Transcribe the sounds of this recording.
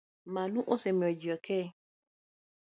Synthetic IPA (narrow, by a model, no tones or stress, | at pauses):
mãnũʔosɛmĩɔd͡ʒiɔkʰɛ